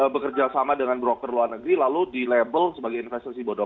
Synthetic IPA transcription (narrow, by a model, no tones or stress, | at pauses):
əbəkərd͡ʒasamadəŋanbɾokərluarnəɡɾilaludilebəlsəbaɡajinfɛst̪asibɔdɔ